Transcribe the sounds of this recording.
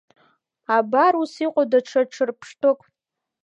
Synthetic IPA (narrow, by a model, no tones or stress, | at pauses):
abaɾusiqʷʼadaʈ͡ʂʰaʈ͡ʂʰɨrpʰʂtʰɨkʼ